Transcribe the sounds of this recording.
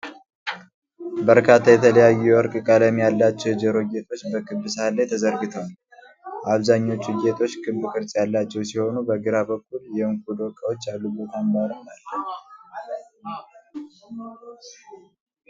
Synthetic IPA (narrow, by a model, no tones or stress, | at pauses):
bəɾkʰat̪ʰːajɛt̪ʰːələjajːuɛɔɾkʼɨkʼaləmjalːat͡ʃːɛwd͡ʒɛɾo̞je̞t̪ʰo̞t͡ʃːbəkʰɨbːɨsalːajt̪ʰəzəɾɡɨt̪ʰəwal | ʔaβzaɲːo̞t͡ʃːujet̪ʰo̞t͡ʃːkʰɨbɨkʰɨɾt͡sʼjalːat͡ʃːɛwsiho̞nubəɡɨɾabəkʰːuljɛmk̚ʼud̪okʼəwo̞t͡ʃːjalːubət̪ʰanmbaɾəmalːə